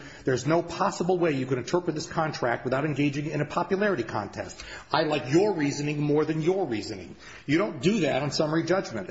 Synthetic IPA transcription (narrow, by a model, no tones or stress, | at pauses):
ðə˞znoʊpʰɑsəbl̩ˠweɪjɨkɨɾɨ̃ntʰɜ˞pɹɨt̪̚ðɪskʰɑ̃ntʰɹ̥æk̚t̚wəθaʊɾɨ̃nɡeɪd͡ʒɪ̃ŋɪ̃ñɨpʰɑpjɨlˠɛɹɨɾikʰɑ̰̃ntʰɛ̰stʔaɪlaɪkjə˞ɹizɨnɪ̃ŋmɔɹðɨ̃njə˞ɹizɨ̃nɪ̰̃ŋ | jɨɾõʊ̃nd̥ɨðæɾn̩sʌmə˞id͡ʒʌd͡ʒmɨ̃nt